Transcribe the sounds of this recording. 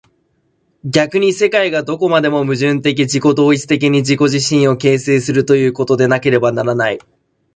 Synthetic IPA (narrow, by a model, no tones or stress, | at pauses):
ɡʲakɯ̟ɲ̟ise̞kaiɡad̪o̞ko̞mad̪e̞mo̞mɯ̟ʑɨ̃nt̪e̞k̬ʲid͡ʑiko̞d̪o̞ːit͡sɨ̥t̪e̞k̬ʲiɲ̟id͡ʑiko̞ʑiɕĩɰ̃o̞ke̞ːseːsɨɾɯ̟t̪o̞jɯ̟ːko̞t̪o̞d̪e̞nake̞ɾe̞banaɾanai